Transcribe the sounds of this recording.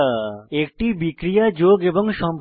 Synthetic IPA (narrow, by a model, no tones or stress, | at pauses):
ek̚ʈibikɾijad͡ʑoɡeboŋʃɔmbʱ